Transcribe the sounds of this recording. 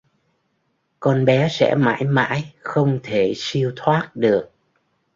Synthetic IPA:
kɔ˧nɓɛ˨˦sɛ̰˧˥ma̰ː˧˥jma̰ː˧˥jxə˧wŋ͡mt̪ʰe˧˩si˧əwt̪ʰwaː˦˥t̚ɗɨ˨˩ək̚

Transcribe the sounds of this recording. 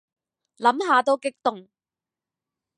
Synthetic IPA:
lɐ˨˥mɦaː˨˧t̪o˥wkɪ˥k̚t̪ʊ˨ŋ

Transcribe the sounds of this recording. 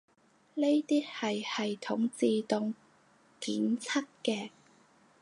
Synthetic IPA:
le˥jt̪iː˥hɐ˨jhɐ˨jt̪ʰʊ˨˥ŋt͡siː˨˧t̪ʊ˨ŋ | kiː˨˥nt͡sʰɐ˥t̚kɛː˧

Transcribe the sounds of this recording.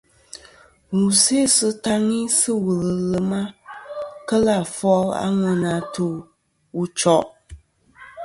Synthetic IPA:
ŋu˨se˦sɨ˦ta˦ŋi˦sɨ˦wə˨lə˨lə˨ma˦ | kə˦la˨fɔ˦la̰˦ŋə˨na˨to˨ | u˨t͡ʃɔ˦ʔ

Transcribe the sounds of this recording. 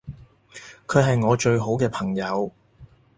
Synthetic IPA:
kʰɵ˨˧ɦɐ˨jŋɔː˨˧t͡ʃɵ˧ɥɦo˨˥wkɛː˧pʰɐ˨˩ŋjɐ˨˧w

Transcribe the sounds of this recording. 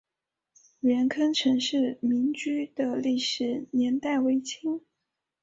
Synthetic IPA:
ɥɛ˧˥nkʰə˥nʈ͡ʂʰɤ˧˥ŋʂɻ̩˥˩mi˧˥ŋt͡ɕy˥d̪̥ə˨li˥˩ʂɻ̩˧˩njɛ˧˥nt̪a˥˩ɪwe˧˥ɪt͡ɕʰi˥ŋ

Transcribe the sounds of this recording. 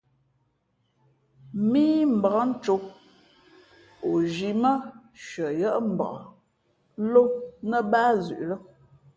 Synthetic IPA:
miː˦m̩˨bə˨a˦n̩˦t͡ʃo˨˦ | o˨d͡ʒi˨mə˦ʃə˨jə˦ʔm̩˨ba̰˨ | lo˦nə˦baː˦zʉ˨ʔlə˦

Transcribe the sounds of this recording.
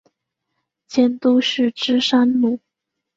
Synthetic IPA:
t͡ɕjɛ˥˩nt̪u˥ʂɻ̩˥˩ʈ͡ʂɻ̩˥ʂa˥nlu˥˨˩

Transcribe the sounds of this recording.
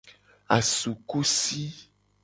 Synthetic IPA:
a˨su˨ku˦si˦

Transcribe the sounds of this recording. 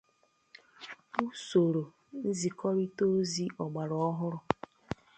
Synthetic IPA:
u˦so˨ɾo˨ | n̩˦zi˨kʰɔ˦ɾi˦to˦zi˦ʔɔ˨ɡ͡ba˨ɾɔ˦ɔ˦ɦʊ˦ɾʊ˨

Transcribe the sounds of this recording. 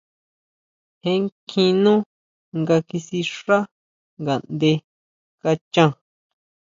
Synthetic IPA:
hẽ˦ŋkʰĩ˧nũ˦ | ŋɡa˧ki˧si˧ʂa˦ | ŋɡa˨nd̪e˧ | ka˧t͡ʃã˦˧

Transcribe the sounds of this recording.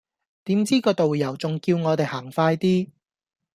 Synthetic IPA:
t̪iː˨˥mt͡siː˥kɔː˧t̪o˨wjɐ˨˩wt͡sʊ˨ŋkiː˧wŋɔː˨˧t̪e˨jhaː˨˩ŋfaː˧jt̪iː˥

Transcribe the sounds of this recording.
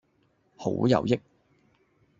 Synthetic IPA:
ho̰˨˥jɐ̰˨wjɪ˥k̚

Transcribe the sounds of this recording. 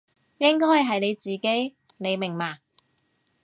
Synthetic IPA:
jɪ˥ŋkɔː˥jhɐ˨˩jɦɐ˨jne˨˧jt͡siː˨ke˨˥j | ne˨˧jmɪ˨˩ŋmaː˨˩

